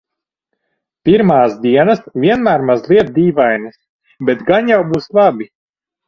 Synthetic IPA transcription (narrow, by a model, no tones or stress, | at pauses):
piɾmaːsd̪iɛnasvʲiɛnmæːɾmazlˠiɛt̪̚d̪iːvajnɨs | bɛt̪ɡaɲjawbuːslˠabʲi